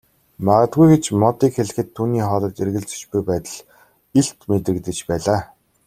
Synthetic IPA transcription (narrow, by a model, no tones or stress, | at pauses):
maʁə̆t̪̚ɡujɡet͡ɕmɔt̪iːkxeɮ̆xɘ̆t̪ʰːuːniːχɔːɮɞ̆t̪erɣɘ̆ɮt͡sɵ̥̆t͡ɕpujpæːt̪ə̆ɮ | iɬt̪met̪rɘ̆kt̪ɘ̆t͡ɕpæːɮaː